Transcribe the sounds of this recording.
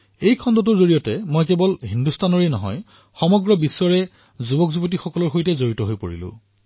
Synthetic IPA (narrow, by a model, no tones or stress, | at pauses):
ejkʰɔndɔt̬ʊɹzoɹijɔtɛmojkɛbɔlɦindustʰanɔɹenɔɦɔ̰j | xɔmɔɡɹɔbiswɔɹɛ | zubɔkzubɔt̬ixɔkɔlɔɹxojtɛzoɹitɔɦojpo̰ɹḭlʊ̰̃